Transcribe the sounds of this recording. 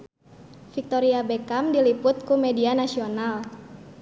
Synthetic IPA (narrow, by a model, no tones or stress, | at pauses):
fik̚t̪ɔɾiabɛkamdilipʊt̪̚kumɛdianasional